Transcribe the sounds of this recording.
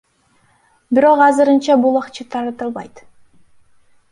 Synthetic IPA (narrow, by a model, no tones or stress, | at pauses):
biɾo̞qɑzɯɾɯnt͡ʃɑbulˠɑqt͡ʃɯt̪ʰɑɾɑt̪ɯlˠβɑjt̪